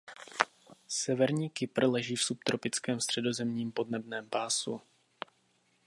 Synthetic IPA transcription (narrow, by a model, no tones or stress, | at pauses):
sɛvɛɾɲiːkɪpr̩lɛʒiːfsupt̪ɾo̞pɪt͡skɛːmst̪r̝̥ɛdo̞zɛmɲiːmpo̞dnɛbnɛːmpaːsṵ